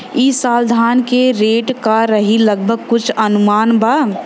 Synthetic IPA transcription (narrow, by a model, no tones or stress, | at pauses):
isaːld̪ʱaːnkeɾeːʈkaɾɐɦilɐɡ̚bʱəɡ̚kʊt͡ʃʰɐnʊmaːnba